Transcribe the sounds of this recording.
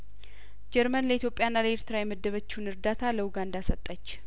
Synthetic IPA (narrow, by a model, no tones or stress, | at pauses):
d͡ʒɛɾmənləit̪ʰjopʼːjanːaləeɾt̪ʰɨɾajɛməd̪ːəβət͡ʃːunɨɾd̪at̪ʰaləwuɡand̪asət̪ʼːət͡ʃː